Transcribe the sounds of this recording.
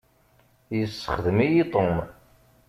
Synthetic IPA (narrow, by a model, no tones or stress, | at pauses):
jəsːə̥χðəmijit̪ˤom